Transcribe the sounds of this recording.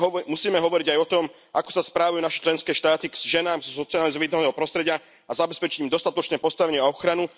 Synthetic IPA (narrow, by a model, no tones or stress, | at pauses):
ɦɔmusiːmɛɦɔʋɔɾiɟajɔt̪ɔm | ʔa̰kɔ̥saspɾaːʋajunaʃɛ̥t͡ʃlɛnskɛːʃt̪aːt̪iʒɛnaːmzɔsɔt͡sialɛzɔʋiːd̪ɔnɛːɦɔpɾɔst̪ɾɛɟɪa | azabɛspɛt͡ʃiɟimd̪ɔst̪at̪ɔt͡ʃnɛːpɔst̪aʋɛɲɪɛaɔxɾanu